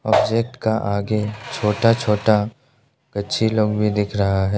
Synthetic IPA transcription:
ɔːbd͡ʒeːk̚ʈkaʔaːɡet͡ʃʰoːʈat͡ʃʰoːʈa | kɐtːʃʰiloːɡbʱid̪ɪkʰɾɐɦaɦɛː

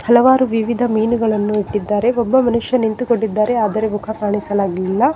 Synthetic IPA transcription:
hɐlɐʋaːɾuʋiʋid̪ʱɐmiːnuɡɐɭɐnːuiʈːid̪ːaːɾe̞obːɐmɐnuʂjɐnint̪ukoɳɖid̪ːaːɾe̞aːd̪ɐɾe̞mukʰɐkaːɳisɐlaːɡɐlilːɐ

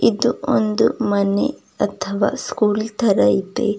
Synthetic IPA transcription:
id̪uond̪umɐnḛ | ɐt̪ʰɐʋa̰ːskuːlt̪ʰɐɾɐit̪ḛ

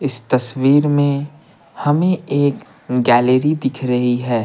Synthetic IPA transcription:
ɪst̪ɐswiːɾmẽ | hɐmẽeːk | ɡɛːleɾid̪ɪkʰɾɐɦiɦɛː

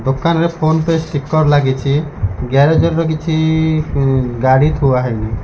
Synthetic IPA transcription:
d̪okanɾepʰonpesʈikːɔɾlaɡet͡ʃʰiɡɛɾed͡ʒɔɾɾɔkit͡ʃʰi | ɡaɽit̪ʰuaɦɔjni

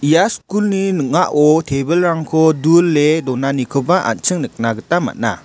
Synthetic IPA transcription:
ijaskulninək̚ŋaʔɔtʰebəlɾaŋkʰɔdulːedɔnanikʰɯbaʔa̰nt͡ʃɯŋnɯk̚naɡətama̰t̚na̰

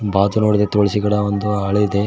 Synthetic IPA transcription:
baːd̪unoːɽid̪et̪oːɭisiɡɐɽɐond̪uɐɭɐid̪e

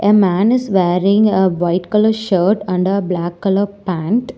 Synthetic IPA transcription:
ʔemæ̃ːnɪsʋeːɾɪ̃ŋɡeʋaɪʈkʌləɾʃəːɾʈʌ̃ɳɖəɾblækːʌləɾpæ̃ɳʈ

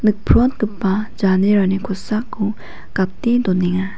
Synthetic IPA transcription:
nɯk̚pʰɾɔt̪̚ɡɯpːad͡ʒaneɾanikʰosakːu | kap̚t̪id̪oniŋa

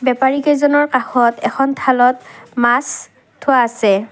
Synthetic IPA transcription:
bɛpaɹikezɔnɔɹkaxɔtɛxʰɔntʰalɔtmas | tʰʊwaːsɛ

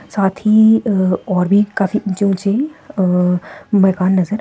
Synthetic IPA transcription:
saːt̪ʰi | ɔːɾbʱikaːfiʊnt͡ʃõt͡ʃe | mɛːkaːnːɐzəɾ

